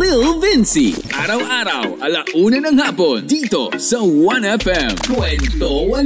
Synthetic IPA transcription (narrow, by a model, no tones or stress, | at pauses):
lɪlˠvɪnsḭʔaɾawaɾa̰walaʔunənəŋhapɔnd̪it̪o̰səwanɛfɛmkɛnt̪owa